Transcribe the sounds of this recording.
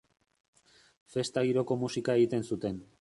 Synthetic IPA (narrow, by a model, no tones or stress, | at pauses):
fe̞st̪aɣiɾo̞ko̞musikae̞ɣit̪e̞nsut̪e̞n